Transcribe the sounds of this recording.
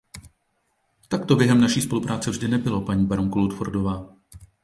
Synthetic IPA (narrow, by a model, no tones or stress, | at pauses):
t̪akt̪objɛɦɛmnaʃiːspo̞lupɾʔaːt͡sɛvʒdɪnɛbɪlo̞paɲiːbaɾoŋkolut̪fo̰ɾdo̞vaː